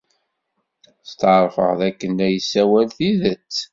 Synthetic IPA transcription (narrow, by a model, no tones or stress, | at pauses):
st̪ʕɾˤfə̰ʁðækːənæjəsːæwælθiðət͡sː